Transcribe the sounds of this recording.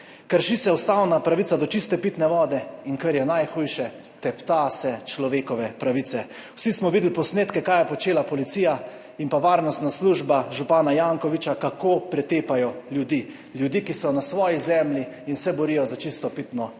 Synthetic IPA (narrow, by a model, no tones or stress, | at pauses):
kəɾʃisɛust̪awnapɾaʋit̪ad̪ɔt͡ʃist̪ɛpit̪nɛʋɔːd̪ɛinkəɾjɛnajxuːjʃɛ | t̪ɛpt̪asɛt͡ʃlɔʋeːkɔʋɛpɾaʋiːt̪sɛ | wsismɔʋid̪l̩pɔsneːt̪kɛkaːjɛpɔt͡ʃeːlapɔlit̪ija | inpaʋaːɾnɔst̪nasluːʒbaʒupaːnajaːŋkɔʋit͡ʃakakopɾɛt̪eːpajɔljud̪iː | ljud̪iːkisɔnasʋɔːjizɛːmljiinsɛbɔɾiːjɔzat͡ʃist̪ɔpit̪nɔ